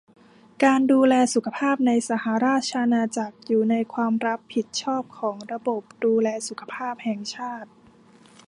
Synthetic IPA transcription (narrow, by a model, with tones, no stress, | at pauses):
kaː˧nduː˧lɛː˧su˨˩kʰa˧pʰaː˥˩p̚na˧jsa˩ha˩˦ɾaː˥˩t̪̚t͡ɕʰa˧ʔa˧naː˧t͡ɕa˨˩k̚juː˨˩na˧jkʰwaː˧mɾa˦˥pʰːi˨˩t̪̚t͡ɕʰɔː˥˩p̚kʰɔː˩˦ŋɾa˧bo˨˩p̚duː˧lɛː˧su˨˩kʰḁ˧pʰaː˥˩p̚hɛ˨˩ŋt͡ɕʰaː˥˩t̪̚